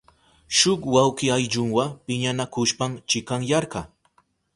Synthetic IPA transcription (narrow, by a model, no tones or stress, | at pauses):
ʃʊkwawkɪajʎʊŋwapɪɲanakʊʃpaŋt͡ʃɪkaŋjɑɾɢɑ